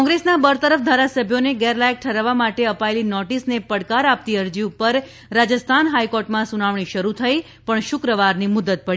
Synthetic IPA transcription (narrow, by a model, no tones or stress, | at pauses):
ɔ̃ŋɡɾesnabəɾt̪əɾəfd̪ʱaɾasəbʱjoneɡɛɾlajk̚ʈʰəɾaʋːamaʈeəpaelinɔʈisnepəɽkaɾap̚t̪iəɾd͡ʒiupəɾ | ɾad͡ʒəst̪ʰanɦajkɔɾʈmãsunaʋɳiʃəɾut̪ʰəi | pəɳʃʊkɾəʋaɾnimʊd̪ət̪̚pəɽi